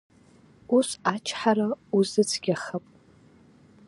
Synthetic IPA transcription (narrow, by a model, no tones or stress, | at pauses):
usat͡ʃʰħaɾauzɨt͡sʰɡʲaχapʼ